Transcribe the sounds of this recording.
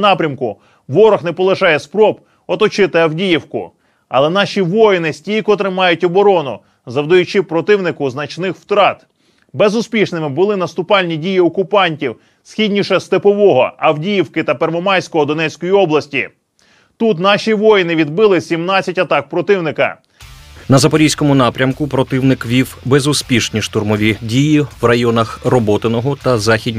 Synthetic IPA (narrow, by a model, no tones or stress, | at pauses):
nɑpɾʲɐmkʊ | ʋɔɾɔxnɛpɔlˠeɪʃɑjɛspɾɔb | ɔt̪ɔt͡ʃɪt̪ɪɐwdʲijiwkʊ̰ | ɐ̰lˠɛnɑʃʲiʋɔjɪnɪsʲtʲijkɔt̪ɾɪmɑjʊtʲɔbɔɾɔnʊ | zɐwd̪ɐjʊt͡ʃɪpɾɔt̪ɪwnɪkʊznɐt͡ʃnɪxw̥t̪ɾɑt̪ | bezʊspʲiʃnɪmɪbʊlˠɪnɐst̪ʊpɑlʲnʲidʲijiɔkʊpɑnʲtʲiw | sxʲidʲnʲiʃɛst̪epɔʋɔɦɔ̰ɐwdʲijiwkɪt̪ɐpermɔmɑjsʲkɔɦɔd̪ɔnɛt͡sʲkɔjiɔblˠɐsʲtʲḭ | t̪ut̪nɑʃʲiʋɔjnɪʋʲid̪bɪlˠɪsʲimnɑt͡sʲːɐtʲɐt̪ɑk̚pɾɔt̪ɪwnɪkɐ̰ | nɐzɐpɔɾʲijsʲkɔmʊnɑpɾʲɐmkʊpɾɔt̪ɪwnɪkʋʲiwbezʊspʲiʃnʲiʃt̪ʊrmɔʋʲidʲijiwrɐjɔnɐxrɔbɔt̪ɪnɔɦɔt̪ɐzɑxʲidʲ